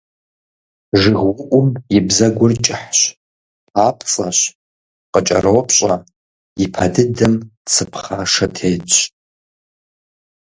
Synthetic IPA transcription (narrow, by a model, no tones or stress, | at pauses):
ʐɨʁwʊʔʷʊmibzaɡʷʊrt͡ʃʼɪħʃʷ | apʰt͡sʼaɕʷ | qʼət͡ʃʼa̰rowpʰɕʼa | ipʰadɨdɨmt͡sʰɨpʰχaʂatʰejt͡ʃʷʰʼ